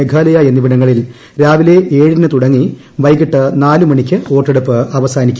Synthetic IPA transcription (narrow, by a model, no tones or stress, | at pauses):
eɡʱaːlɐjaenːiʋiɳɐŋːɐɭil | ɾaːʋile̞ʔeːɻinɨt̪uɽɐŋːi | ʋɐjkiʈːɨnaːlumɐɳikʲːɨo̞ːʈːeɽupːɨɐʋɐsaːnikʲːu